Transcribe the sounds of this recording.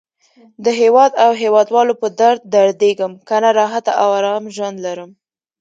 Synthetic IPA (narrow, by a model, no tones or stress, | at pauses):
d̪əɦewɑd̪awɦewɑd̪wɑlopəd̪aɾd̪̚ːaɾd̪eɡəmkanaɾɑɦat̪aʔawaɾɑmʒwand̪laɾəm